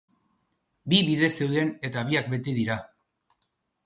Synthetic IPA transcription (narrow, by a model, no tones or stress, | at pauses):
biβiðe̞se̞wð̞e̞ne̞t̪aβ̞iak̚be̞t̪eð̞iɾa